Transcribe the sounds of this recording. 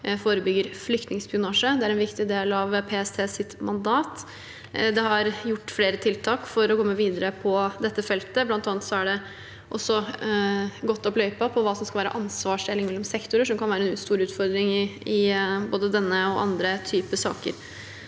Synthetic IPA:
foːɾəbʏɡːəɾflʏkt̪nɪŋspɪʊnɑːʂəd̪ɛæɾɛnʋɪkt̪ɪd̪eːlɑʋpʰeːɛst̪ʰeːsɪt̪mɑnd̪ɑːt̪ | d̪ɛhɑɾjʊʈːfleːɾət̪ʰɪlt̪ʰɑːkfɔɾɔkʰɔmːəʋiːd̪əɾəpʰɔd̪ɛt̪ːəfɛlt̪əblɑnt̪ɑːnət̪sɔæɖɛ | ʔɔsːɔ | ɡɔt̪ːɔplœʏpɑpʰɔʋɑːsɔmskɑlʋæːɾə̰ʔɑnsʋɑːʂɛlːɪŋmɛlːɔmsɛkt̪ʊɾəʂɔmkɑnʋæːɾəɛnʉːst̪uːɾʉːt̪fɔɾd̪ɾɪŋɪɪboːd̪əd̪ɛnːəɔʔɑ̰nd̪ɾət̪ʰyːpəsɑ̰ːkə̰ɾ

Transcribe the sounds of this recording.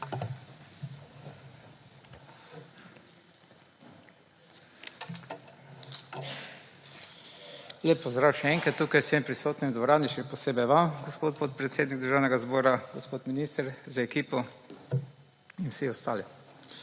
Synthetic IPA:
leːpːɔzd̪ɾawʃɛɛŋkɾat̪ːuːkajsʋempɾisoːt̪nimd̪ʋɔɾaːniʃɛpɔseːbɛjʋamɡɔspot̪̚pot̪̚pɾɛt̪seːd̪niɡd̪əɾʒaːwnɛɡazboːɾaɡɔspoːt̪miniːst̪əɾzaɛkiːpɔ | inwsiɔst̪aːli

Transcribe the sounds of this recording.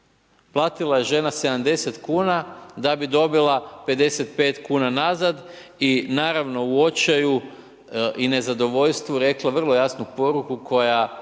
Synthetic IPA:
plˠaːt̪ilˠaje̞ʒe̞nase̞d̪amd̪e̞se̞t̪kuːnad̪abid̪o̞bilˠape̞d̪e̞se̞t̪pe̞ːt̪kuːnanazad̪ | inaːɾaʋno̞uo̞t͡ʃaju | ʔine̞zad̪o̞ʋo̞ʎst̪ʋuɾe̞klˠaʋr̩lˠo̞jasnupo̞ɾukukʰo̞ja

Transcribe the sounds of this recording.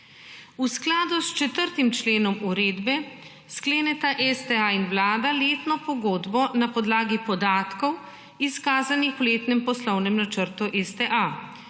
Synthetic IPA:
usklaːd̪ust͡ʃɛt̪əɾt̪imt͡ʃleːnɔmuɾeːd̪bɛ | skleːnɛt̪aʔɛst̪ɛainwlaːd̪aleːt̪nɔpɔɡoːd̪bɔnapɔd̪laːɡipɔd̪aːt̪kɔw | iskaːzanixuleːt̪nɛmpɔslɔwnɛmnat͡ʃəɾt̪uʔɛst̪ɛʔa

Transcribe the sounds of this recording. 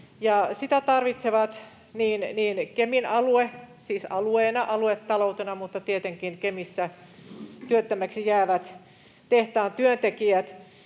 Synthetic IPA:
jɑsit̪æt̪ɑrʋit̪seʋɑt̪ | niːnniːnkeminɑluesiːsɑlueːnɑʔɑluet̪ːɑlout̪enɑmut̪ːɑt̪iet̪eŋkinkemisːæ | t̪yøt̪ːæmæksijæːʋæt̪ | t̪eht̪æːnt̪yønt̪ekiæt̪

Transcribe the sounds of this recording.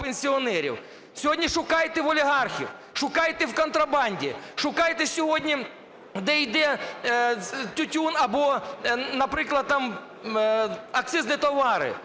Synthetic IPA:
penʲsʲiɔnɛɾʲḭw | sʲɔɦɔdʲnʲiʃʊkɑjt̪eʋɔlʲiɦɑrxʲḭw | ʃʊkɑjt̪ewkɔnt̪ɾɐbɑnʲdʲiʃʊkɑjt̪esʲɔɦɔdʲnʲi | d̪ɛjd̪ɛ | tʲʊtʲunɐbɔnɐpɾɪklˠɐd̪̚t̪ɑm | ɐk̚t̪sɪznɨjt̪ɔʋɑɾɪ̰

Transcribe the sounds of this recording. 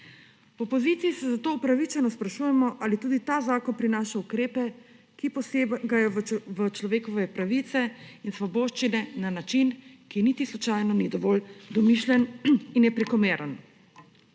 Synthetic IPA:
pɔpɔziːt̪siːsɛzat̪oːupɾaʋit͡ʃɛnɔspɾaʃuːjɛmɔʔalit̪uːd̪it̪azaːkɔnpɾinaːʃaukɾeːpɛ | kipɔseɡajɔʋət͡ʃlɔʋeːkɔʋɛpɾaʋit̪sɛinsʋɔboːʃt͡ʃinɛnanat͡ʃinkinit̪islut͡ʃajnɔnid̪ɔʋɔːld̪ɔmiʃljɛninjɛpɾɛkɔmeːɾʔən

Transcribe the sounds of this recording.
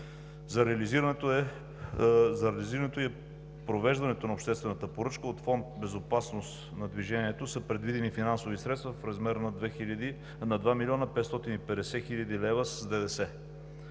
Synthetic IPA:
zɐɾɛɐliziɾnɛt̪ | zɐɾɛliziɾɐnɛt̪oi | pɾovɛʒd̪ɐnɛt̪onɐopʃt̪ɛst̪vɛnət̪əpoɾɤt͡ʃkəot̪fɔnt̪̚bɛzopasnos | nɐd̪viʒɛniɛt̪osəpɾɛd̪vid̪ɛnifinansovisɾɛt̪st̪vɐfɾɐzmɛɾnɐd̪vɛxilʲəd̪i | nɐd̪vamilʲɔnəpɛt̪st̪ɔt̪inipɛd̪ɛsɛxiʎʲɐd̪ilɛvəszd̪ɛd̪ɛsɛ

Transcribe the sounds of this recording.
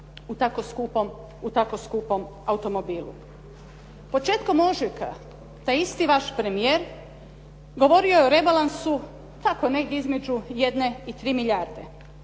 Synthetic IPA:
ut̪akoskupom | ut̪akoskupo̞m | aut̪o̞mo̞biːlˠṵ | po̞t͡ʃe̞ːt̪ko̞moʒikʰa̰ | t̪ajist̪iʋaʃpɾe̞mijeːɾ | ɡo̞ʋo̞ɾiojeoɾe̞balansu | t̪ako̞neizme̞d͡ʒuje̞d̪ne̞it̪ɾiːmiʎaɾd̪e̞

